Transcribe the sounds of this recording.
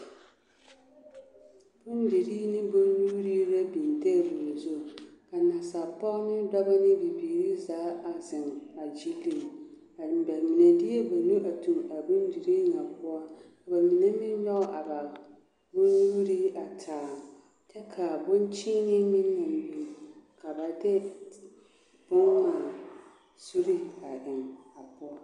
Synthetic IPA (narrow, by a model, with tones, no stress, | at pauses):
b̥ʊ˦n˦di˨ɾi˦nɪ˦bo˦lu˦ɾi˦ɾa˦bi˨n˨tɛ˦bu˨zo˦˨ka˨na˨sa˨pa˦nɪ˦da˦ba˦nɪ˦bi˨biː˨ɾi˦zaː˨˦a˨zɪ˨ŋa˨d͡ʒi˦li˨ | a˨bɛ˨lmi˨nɛ˨dɪ˦ɛ˦ba˨nu˦ʔa˨tu˨ma˨bʊ˦n˦di˨ɾi˦ŋa˨pʊ˦a˦ka˨ba˨mi˨nɛ˦mɪ˦ɲɔ˦ʔa˨ba˨ | bʊ˦nwu˦ɾi˦a˨tʰaː˨ | t͡ʃɛ˦kʰa˨bʊ˦nt͡ʃi˦nɪ˦mɪ˦n˦a˨m˨ji˨ka˨ba˨dɛ˦ | b̥ʊ˦ŋ˦maː˨ | su˦ɾi˦a˨dɪ˨ŋa˨pʊ˦a˦